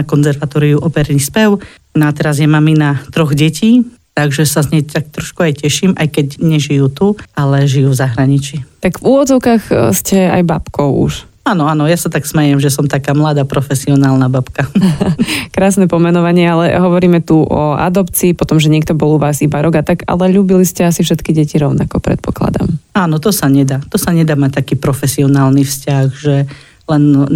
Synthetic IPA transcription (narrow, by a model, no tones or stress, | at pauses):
akɔnzɛɾʋat̪ɔːɾijuʔɔpɛɾnispɛʊ | nat̪ɛɾazjɛmaminat̪ɾɔɣɟɛciː | t̪aɡʒɛsazɲɛt̪ak̚t̪ɾɔʃkuajcɛʃiːmʔajkɛɟɲɛʒijuːt̪uʔalɛʒijuːvzaɦɾaɲit͡ʃit̪aɡvuːʋɔd͡zɔʊkaːxscɛa̰jbapkɔʊṵʃ | aːnɔanɔjasat̪aksmɛjɛmʒɛsɔmt̪akaːmlad̪apɾɔfɛsiɔnaːlˠnabapka | kɾaːsnɛpɔmɛnɔʋaɲɪɛalɛɦɔʋɔɾiːmɛt̪uʔɔ̰a̰d̪ɔpt͡siːpɔt̪ɔmʒɛɲɪɛk̚t̪ɔbɔlˠuʋaːzibaɾɔɡat̪aɡa̰lɛʎuːbiliscɛasifʃɛt̪kiɟɛciɾɔʊnakɔpɾɛ̰t̪̚pɔkla̰d̪a̰maːnɔt̪ɔsaɲɛd̪aːt̪ɔsaɲɛd̪aːmac̚t̪akiːpɾɔfɛsiɔnaːlnifscaɣʒɛ | lɛn